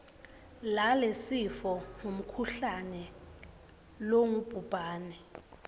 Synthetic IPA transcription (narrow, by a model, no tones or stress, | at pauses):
lalesifɔŋom̩kʰuɬanɛ | loŋub̥ʱub̥ʱaːnɛ